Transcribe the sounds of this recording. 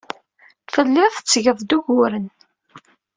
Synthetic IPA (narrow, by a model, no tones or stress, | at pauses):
fəlːɪθət͡sːʝəðˤd̪uʝʊɾən